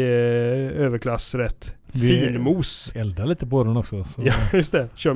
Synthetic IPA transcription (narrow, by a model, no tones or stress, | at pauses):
øːvəɾkʰlasɾɛt̪ːʋfiːlmuːsɛld̪aliːt̪əpɔɔɾʊnɔksɔsɔjɑjɵst̪ɛɕøː